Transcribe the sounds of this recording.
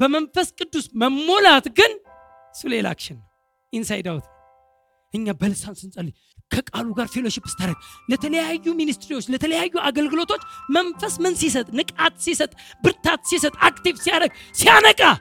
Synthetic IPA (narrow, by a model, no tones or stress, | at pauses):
b̥əmənfəskʼɨd̪ːusməmːo̞lat̪ɡɨn | sɨlela̰kʃɪnːəw | ʔinsajd̪awt̪n | ʔɨɲːabəlɨsansɨnsʼəlːi | kʰəkʼaluɡaɾfelo̞ʃɪpːɨ̥st̪ʰaɾəɡlət̪ʰələjajːuminist̪ɾiwot͡ʃːlət̪ʰələjajːuʔaɡəlɡɨlo̞t̪ʰo̞t͡ʃːmənfəsmɨnsisət̪ʼnɨkʼat̪sisət̪ʼbɨɾt̪ʰat̪sisət̪ʼakt̪ivsijaɾəɡ̚sijanəkʼa